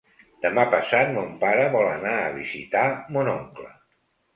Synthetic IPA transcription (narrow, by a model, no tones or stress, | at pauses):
d̪̥əmapəsat̪̚mompaɾəβɔlənaə̰βḭzḭt̪amonoŋklə̰